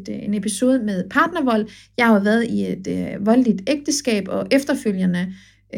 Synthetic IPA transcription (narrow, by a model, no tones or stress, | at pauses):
d̥e̝ne̝pʰiso̝ːð̞ˠəmeðˠpʰɑ̈ːd̥nɐʋɒ̽l̰ | jɑ̈ɪhɑ̈ʋæɐðˠie̝d̥ʋɒ̽ld̥id̥eɡ̥̚d̥əsɡ̥ɛ̰ːb̥ɒ̽ʔefd̥ɐføl̰jənə